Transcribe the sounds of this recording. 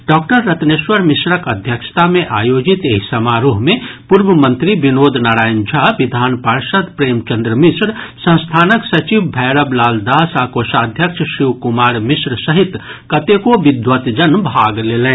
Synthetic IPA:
ɖɔːk̚ʈəɾːət̪neʃwəɾmisɾəkəd̪ʱjəkʃt̪amẽʔaːjoːd͡ʒit̪eɦsəmaɾoɦmẽpuɾbəmə̃nt̪ɾibinoːd̪ʱnaːɾaːjnd͡ʒʱaʋid̪ʱaːnpəɾʃəd̪pɾeːmt͡ʃə̃nd̪ɾəmisɾsə̃ñst̪ʰaːnəksɐt͡ʃibbʱɛɪɾəblaːld̪aːsaːkoːʃad̪ʱjəkʃʰʃiʋkumaːɾmisɾəsəɦit̪ | kət̪ekoʋid̪ʋət̪d͡ʒənbʱaːɡleːlẽː

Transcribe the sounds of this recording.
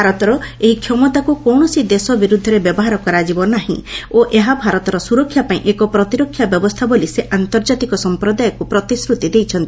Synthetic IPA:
aɾɔt̪ɔɾɔeɦikʰjɔmɔt̪akukɔwɳɔsid̪esɔbiɾud̪ʱːɔɾebjɔbɔɦaɾɔkɔɾad͡ʒibɔnaɦḭ̃oʔeɦabʱaɾɔt̪ɔɾɔsuɾɔkʰːjapaĩʔekɔpɾɔt̪iɾɔkʰːjabjɔbɔst̪ʰaboliseʔant̪ɔɾd͡ʒat̪ikɔsɔmpɾɔd̪ajɔkupɾɔt̪iskɾut̪id̪ejt͡ʃʰɔnt̪ii

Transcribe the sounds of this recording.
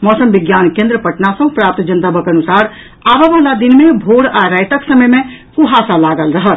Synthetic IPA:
mɔsəmbiɡjankẽnd̪ɾəpəʈnasə̃ɦpɾap̚t̪d͡ʒənt̪abəkənusaɾ | ababəɦlad̪inmebʱoɽaɾajt̪əksəməjmekuɦasalaɡəlɾəɦəl

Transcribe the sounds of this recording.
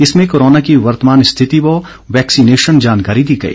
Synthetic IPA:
ɪsmẽkoːɾoːnakiʋɐɾt̪əmaːnɪst̪ʰɪt̪ibɔ | ʋɛːksineːʃənd͡ʒaːnkaːɾid̪iːɡɐ̰ḭː

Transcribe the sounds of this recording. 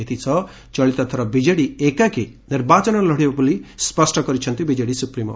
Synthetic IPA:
et̪ʰit͡ʃʰɔ | t͡ʃɔɭit̪ɔt̪ʰɔɾɔbid͡ʒeɽiekake | niɾbat͡ʃɔnɔlɔɽibabulispɔsʈɔkɔɾit͡ʃʰɔnt̪ibid͡ʒeɽisupɾimɔ̰

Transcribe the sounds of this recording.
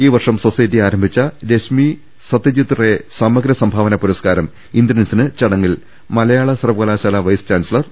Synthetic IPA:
iːʋɐrʂɐmso̞sɐjtːiaːɾɐmbʱit͡ɕːɐɾeɕmi | sɐt̪ːɐt͡ɕit̪ːɐre̞samɐɡɾɐsɐmbʱaːʋɐnɐpuɾɐskaːɾɐm | ind̪ɾɐnsinɨt͡ɕɐɽɐŋːil | mɐlɐjaːɭɐsɐrɐpkɐlaːɕaːlɐʋɐjst͡ɕaːnsilɐr

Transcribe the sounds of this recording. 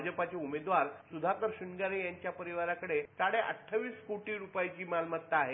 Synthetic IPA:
d͡ʑəpat͡ɕeumed̪ʋaɾsud̪ʱakəɾɕuɳɡaɾejaɲt͡ɕjapəɾiʋaɾakəɽesaɽeʔə̰ʈʰːəʋiːskoʈiːɾupajt͡ɕiːmalmət̪ːaaɦe

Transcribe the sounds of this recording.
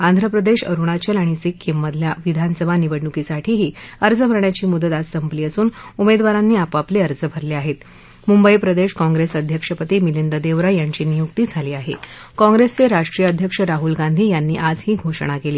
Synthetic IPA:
and̪ʱɾəpɾəd̪eʂə̰ɾuɽ̃at͡ɕəlaɽ̃isikʰːimːəd̪ʱljaʋid̪ʱansəbʱaniʋəɽːukisaʈʰiːɦiːəɾd͡zəbʱəɾɳjat͡ɕiːmud̪ət̪ad͡zsəmpliːəsuːnumed̪ʋaɾanːiːapapleəɾd͡zəbʱəɾleaɦet̪ | mumbəipɾəd̪eɕkɔ̃ŋɡɾesəd̪ʱjəkʂəpət̪iːmilind̪əd̪eʋɾajaɲt͡ɕiːnijuk̚t̪iːd͡zʱaliːaɦḛ | kɔ̃ŋɡɾest͡seɾaʂʈɾijəəd̪ʱjəkʂəɾaɦulɡand̪ʱiːjanːiːʔad͡zhiːɡʱoʂəɽ̃akeliː

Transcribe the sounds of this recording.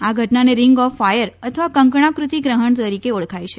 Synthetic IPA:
aɡʱəʈnaneɾɪŋɡɔfːajəɾət̪ʰəʋakə̃ŋkɳ̃akɾut̪iɡɾəɦəɳt̪əɾikeoɭkʰajt͡ʃʰe

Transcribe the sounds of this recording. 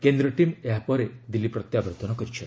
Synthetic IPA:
kend̪ɾɔʈimeɦapɔɾed̪ilipɾɔt̪jabɔɾt̪ɔnɔkɔɾit͡ʃʰɔ

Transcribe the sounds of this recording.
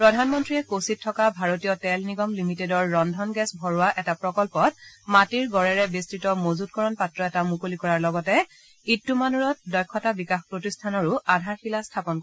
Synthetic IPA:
pɹɔdʱanmɔntɹiɛkositʰːɔkabʱaɹotijɔtɛlniɡɔmlimitedɔɹːɔndʱɔnɡɛsbʱɔɹʊwaʔɛtapɹɔkɔlpɔt̚matiɹɡɔɹɛɹɛbistɹitɔmozut̚kɔɹɔnpatɹɔɛtamukolikɔɹaɹlɔɡɔtɛ | itːumanuɹɔt̚dɔjkʰːɔtabikaxpɹotistʰanɔɹʊadʱaɹxilastʰapɔnk

